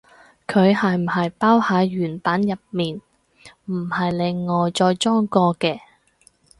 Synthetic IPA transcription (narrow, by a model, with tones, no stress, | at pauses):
kʰɵ˨˧ɥhɐ˨jm̩˨˩hɐ˨jpaː˥whaː˨˧jyː˨˩npaː˨˥njɐ˨p̚miː˨n | m̩˨˩hɐ˨jlɪ˨ŋːɔː˨jt͡ʃɔː˧jt͡ʃɔː˥ŋkɔː˧kɛː˧